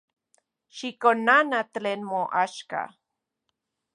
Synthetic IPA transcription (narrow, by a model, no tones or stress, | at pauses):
ʃikonanat̪leːnmoʔaʃka̰